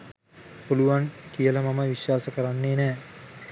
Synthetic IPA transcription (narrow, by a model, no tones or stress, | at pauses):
puluʋankijələmaməʋiʃwaːsəkəɾanːeːnɛː